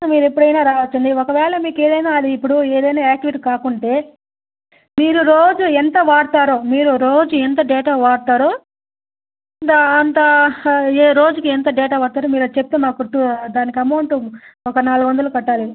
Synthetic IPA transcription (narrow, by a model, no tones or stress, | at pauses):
miːɾuepːuɽɐjnaːɾaːʋɐt͡ʃːund̪iɔkɐʋɛːɭɐmiːkeːd̪ɐjnaːɐd̪iːpːuɽueːd̪ɐjnaːaːk̚ʈiʋiʈikaːkuɳʈe̞ː | miːɾuɾoːd͡ʒuent̪ɐʋaːɽt̪aːɾoːmiːɾuɾoːd͡ʒuent̪ɐɖeːʈaːʋaːɽt̪aːɾoː | nt̪ɐːnt̪ɐ | eɾo̞ːd͡ʒukient̪ɐɖɛːʈaːʋaːɽt̪aːɾomiːɾɐt͡ʃep̚t̪eːmaːkutːud̪aːnikiɐmɐwɳʈuɔkɐnaːluɡuʋɐnd̪ɐlukɐʈːaːle